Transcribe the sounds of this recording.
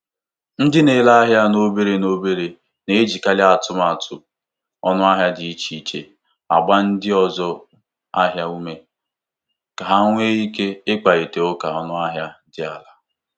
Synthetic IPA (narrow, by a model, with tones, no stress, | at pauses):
n̩˦dɪ˦ne˨la˦a˦ɦja˦no˦be˦ɾe˨no˦be˦ɾe˨ | ne˨e˦d͡ʒi˨ka˦lɪ˦a˨tʊ˦ma˨tʰʊ˨ | ɔ̰˦nʊ˦a˦ɦja˦dɪ˨i˦t͡ʃi˨˦i˦t͡ʃe˦ | a̰˨ɡ͡ba˦n̩˦dɪ˦ɔ˦zɔ˦ | a˦ɦja˦u˦me˨ | ka˨ɦa˦ŋʷ˦e˦i˦ke˦ɪ˦k͡pa˨e˨te˨o˦ka˨ɔ˦nʊ˦a˦ɦja˦dɪ˨a̰˨la˨